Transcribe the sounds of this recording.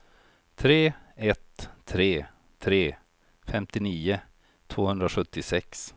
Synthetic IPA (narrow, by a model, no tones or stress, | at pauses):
t̪ʰɾeːɛt̪ʰːɾeː | t̪ʰɾeː | fɛmt̪ɪniːʊ | t̪ʰv̥oːhɵnd̪ɾaɧɵt̪ːɪsɛks